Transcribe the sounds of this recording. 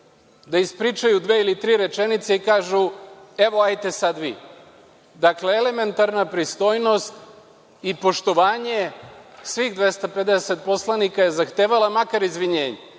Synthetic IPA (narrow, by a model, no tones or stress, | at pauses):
d̪aispɾit͡ʃajud̪ʋeːilit̪ɾiːɾe̞t͡ʃe̞nit̪seikaːʒue̞ʋo̞ajt̪e̞sad̪ʋḭ | d̪akle̞ele̞me̞nt̪aɾnapɾist̪o̞ːjno̞st̪ | ipo̞ʃt̪o̞ʋaːɲe̞sʋiɣd̪ʋe̞st̪ape̞d̪eset̪̚po̞slˠanikajezaxt̪eːʋalˠamakaɾizʋiɲeːɲe